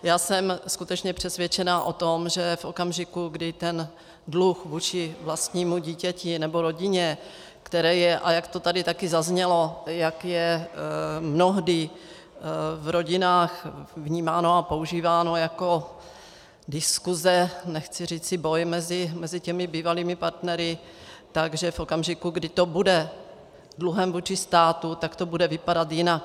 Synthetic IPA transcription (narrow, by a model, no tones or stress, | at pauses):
jaːsɛmskut̪ɛt͡ʃɲɛpr̥ɛsvjɛt͡ʃɛnaːʔo̞t̪o̞mʒɛfʔo̞kamʒɪkuɡdɪt̪ɛn | dluxvuːt͡ʃɪvlast̪ɲiːmuɟiːcɛcɪnɛbo̞ɾo̞ɟɪɲɛ | kt̪ɛɾɛːjɛʔajakt̪o̞t̪adɪt̪akɪzazɲɛlo̞jakjɛ | mno̞ɦdɪ | vɾo̞ɟɪnaːxvɲiːmaːnoapo̞uʒiːvaːno̞jako̞ | dɪskuzɛnɛxt͡sɪr̝iːt͡sɪbo̞jmɛzɪmɛzɪcɛmɪbiːvaliːmɪpaɾt̪nɛɾɪ | t̪aɡʒɛfʔo̞kamʒɪkuɡdɪt̪o̞budɛ | dluɦɛmvuːt͡ʃɪst̪aːt̪ut̪akt̪o̞budɛvɪpadat̪jɪnak